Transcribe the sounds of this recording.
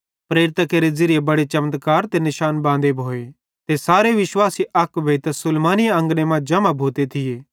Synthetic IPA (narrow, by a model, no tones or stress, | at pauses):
pɾeːɾɪt̪akeɾezɪɾɪjebɐɽet͡ʃɐmt̪kaːɾt̪enɪʃaːnbãːnd̪ebʱoːe | t̪esaːɾeʋɪʃwaːsiʔɐkʋeːt̪ɐsʊlmaːnɪjaɐ̃ŋɡnemãd͡ʒɐmabʱoːt̪et̪ʰɪjeː